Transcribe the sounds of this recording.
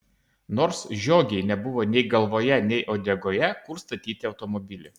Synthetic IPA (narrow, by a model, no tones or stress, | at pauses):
noːɾsʒʲoːɡʲɛɪnʲɛbʊʋoːnʲɛɪɡɐlˠʋoːjɛnʲɛɪʔoːd̪ʲɛɡoːjɛkʊɾst̪ɐt̪ʲiːt̪ʲɪɒʊt̪ɔmɔbʲɪlʲɪ